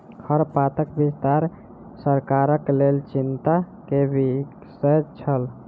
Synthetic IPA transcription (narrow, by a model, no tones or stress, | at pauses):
hʰəɾpat̪əkbist̪aɾ | səɾkaɾəklelt͡ʃint̪a | kebik | səjt͡ʃʰəl